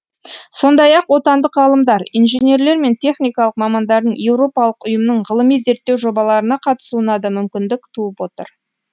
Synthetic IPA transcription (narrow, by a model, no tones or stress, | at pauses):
so̞nd̪ɑjɑqwo̞t̪ɑnd̪əqʁɑlˠəmd̪ɑɾinʒene̞ɾle̞ɾme̞nt̪ʲʰe̞χnijkɑlˠəq̚mɑmɑnd̪ɑɾd̪əɴje̞wɾo̞pɑlˠəqʊjəmənəɴʁəlˠəmijze̞ɾt̪ːe̞wʒo̞bɑlˠɑɾənɑqʰɑt̪ə̥sunɑd̪əmʏmkʲɪnd̪ɪkt̪ʰuəpwo̞t̪ə̰ɾ